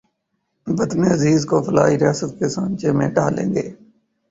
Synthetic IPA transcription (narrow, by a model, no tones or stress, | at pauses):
bət̪meːəziːzkoːfʰəla̰ːiɾɪjaːsət̪̚kesãːnt͡ʃeːmẽːɖaːlḛ̃ːŋɡeː